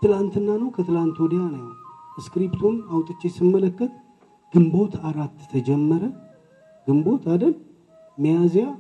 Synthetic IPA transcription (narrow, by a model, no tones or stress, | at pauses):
t̪ʰɨlant̪ʰɨnːanəwkʰət̪ʰɨlant̪od̪ijanəwskɾipt̪ʰunawt̪ʼɨt͡ʃːesɨmːələkːət̪ | ɡ̥ɨmbo̞t̪ʰaɾat̪ːt̪ʰəd͡ʒɛmːəɾə | ɡ̥ɨmbo̞t̪ʰad̪əl | mijazija